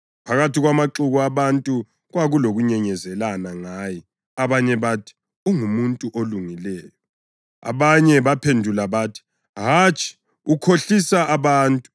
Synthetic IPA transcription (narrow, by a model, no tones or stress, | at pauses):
pʰaɣatʰiɣwamaǁuɣuaβantʼu | ɣwaɣuloɣuɲɛɲɛzɛlanaŋaːjɛ | aβaɲɛβatʰi̥ | uŋumuntʼuʔoluŋilɛːjɔ | a̰βaɲɛβapʰendʱulaβatʰi̥ | ɦat͡ʃʼʰi̥ | ukʰoɬisaʔaβaːntʼu̥